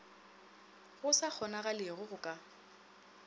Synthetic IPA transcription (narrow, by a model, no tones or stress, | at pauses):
ɣʊsak͡xʰɔnaɣalɪɣʊɣʊkʼa